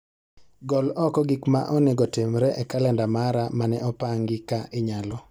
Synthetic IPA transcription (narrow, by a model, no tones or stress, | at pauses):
ɡɔlɔkɔɡikma̰ʔɔnɛɡɔtemɾɛʔɛkalɛndamaɾamanɛɔpaŋɡɪkaʔɪɲalɔ